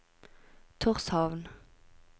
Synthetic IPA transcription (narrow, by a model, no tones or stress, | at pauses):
t̪ʰʊʁshɑʋn